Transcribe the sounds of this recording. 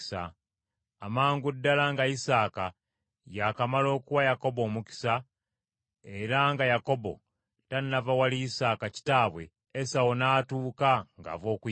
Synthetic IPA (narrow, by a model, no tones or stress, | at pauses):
sa | amaːŋɡudːalaŋɡaisaːka | jakamalo̞ːkuwajako̞bo̞ːmuki̥sa | eɾaŋɡajako̞bo̞̰ | tanːavawaliisaːkaci̥taːβwe̞̰ | esawonaːtuːkaŋɡa̰ːvo̞ːku